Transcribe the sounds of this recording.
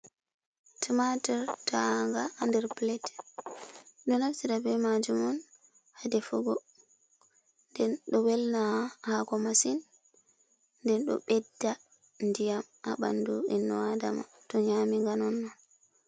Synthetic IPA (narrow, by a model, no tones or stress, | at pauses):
tʰimatɛɾtaŋɡaːndɛɾplɛt | ɗɔnafsiɾabɛmad͡ʒumɔn | hadɛfuɡɔ | ndɛnɗɔwɛlnahakɔmasin | dɛnɗɔ̰ɓɛdːa | ndijamʔa̰ɓa̰nduinːɔwada̰ma̰ | tɔɲamiŋɡanɔnːɔn